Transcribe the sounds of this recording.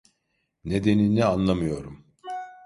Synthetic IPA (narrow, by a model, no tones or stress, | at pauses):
ne̞d̪e̞ninnʲɛanlˠamɯjo̞ɾum